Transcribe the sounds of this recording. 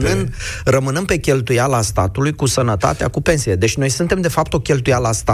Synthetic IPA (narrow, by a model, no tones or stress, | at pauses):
nɨnd̪rəmɨnɨmpe̞kʲe̞lt̪ujalast̪a̰t̪ulujkusənət̪a̰t̪ea̰kupe̞nsijed̪e̞t͡ʃʲno̞jsunt̪e̞md̪e̞fap̚t̪o̞kʲe̞lt̪ujalast̪a